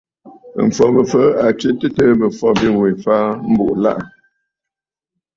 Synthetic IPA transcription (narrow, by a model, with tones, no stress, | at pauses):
m̩˨fɔ˨bə˨fə˦a˨ki˦tə˦tə˦bə˨fɔ˦bi˦ŋwe˨faː˦m̩˦bu˦˨ʔla̰˦ʔ